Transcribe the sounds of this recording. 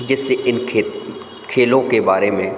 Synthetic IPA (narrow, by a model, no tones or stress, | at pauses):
d͡ʒɪsːeʔɪnkʰe | kʰeːlõkebaːɾemẽ